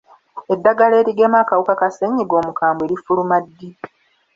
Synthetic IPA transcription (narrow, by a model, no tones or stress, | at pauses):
e̞dːaɡaleːɾiɡe̞maːkawukakaseɲːiɡo̞ːmukaːmbwe̞ɾifulumadːii